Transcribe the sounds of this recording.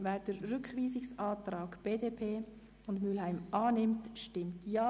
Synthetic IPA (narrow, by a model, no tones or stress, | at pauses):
vɛːɾd̥əɾːʏkχʋiːzɪksɑːtɾaːɡb̥eːdeːpʰeː | ʊndmylɦæɪmɑːnɪmtʃtɪmtjaː